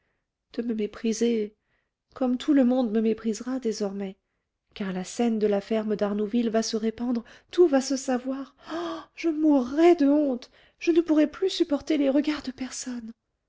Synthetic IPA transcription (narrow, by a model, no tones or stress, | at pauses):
d̪̥əməmepχize | kɔmt̪ʰuləmɔ̃d̪məmepχizʁad̪ezɔʁmɛ | kaʁlasɛnd̪əlafɛʁməd̪aʁnovilvasəʁepɑ̃d̪ʁt̪uvasəsavwaːʁʒ̥əmuʁːɛd̪əɔ̃t̪ | ʒ̥ənəpuʁɛplysypɔʁt̪eleʁəɡaʁd̪əpɛʁsɔn